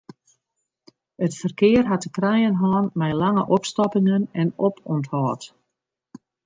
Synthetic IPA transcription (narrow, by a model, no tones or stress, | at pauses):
ətfərkɪərɦatəkrajənɦɔːnmɛjlaŋə̰ʔɔpstɔpɪŋənɛnɔpɔnthɔːt